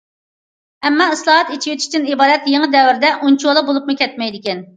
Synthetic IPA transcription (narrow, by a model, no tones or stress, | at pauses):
ɛmːɑɨslˠɑɦɑt̪it͡ʃʰijet̪ʰʃʲt͡ʃ̪inibɑːd̪ɛt̪jeŋəd̪ɛwɪɾd̪ɛʔunt͡ʃʰuwlˠɑbolˠupmʊkʲʰɛt̪mɛjd̪ɪkʲɛn